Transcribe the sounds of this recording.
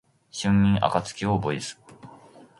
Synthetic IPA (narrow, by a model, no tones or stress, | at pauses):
ɕɨ̃mmʲĩŋʔa̰kat͡sɨ̥kʲioboisɨ̥